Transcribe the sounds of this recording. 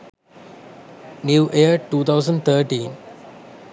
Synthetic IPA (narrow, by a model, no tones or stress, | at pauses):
njuːʔeəʈuːt̪ʰaʊzə̃ɳɖt̪ʰəːʈĩːn